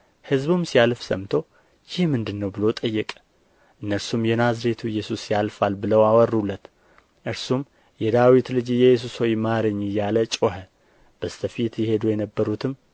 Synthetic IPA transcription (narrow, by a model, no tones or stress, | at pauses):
hɨzbumsialfsəmt̪ʰo̞ | jɪhmɨnd̪ɨnːəwbɨlot̪ʼəjːɛkʼə̥ | ʔɨnːəɾsumjɛnazɾe̞t̪ʰuɪjːɛsusjalfalbɨləwawɔrulːət̪ | ʔɨɾsum | jɛd̪awit̪lɨd͡ʒjɛjːɛs̬usojmaɾɨɲːjalət͡ʃʼoɦə | b̥əst̪ʰəfit̪jɛhe̞d̪ujɛnəbːəɾut̪ʰɨm